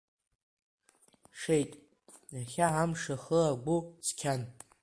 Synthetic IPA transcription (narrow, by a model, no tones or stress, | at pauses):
ʂejtʼ | jaχʲaʕamʂaχəlaɡʷut͡sʰkʲʰan